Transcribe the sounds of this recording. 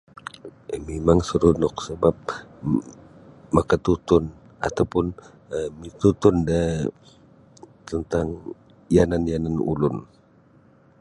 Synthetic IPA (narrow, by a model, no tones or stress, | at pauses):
memaŋsəɾunʊk̚səbap̚ | makat̪ut̪ʊn | a̰t̪awpʊn | mit̪ut̪ʊnda | t̪ənt̪aŋ | jananjananṵlʊn